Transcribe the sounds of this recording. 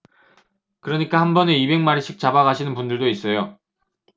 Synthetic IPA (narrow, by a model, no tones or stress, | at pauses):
kɯɾʌɲik͈ahambʌneibe̞ŋmaɾiɕ͈ʰik̚t͡ɕabaɣaɕʰinɯnpundɯɭdois͈ʌjo